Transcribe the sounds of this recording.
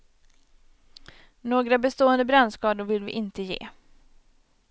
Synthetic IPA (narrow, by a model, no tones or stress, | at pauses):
noːɡɾabɛst̪oːɛnd̪əbɾɛnːskɑːd̪ʊɾvɪlvɪʔɪnt̪əjḛː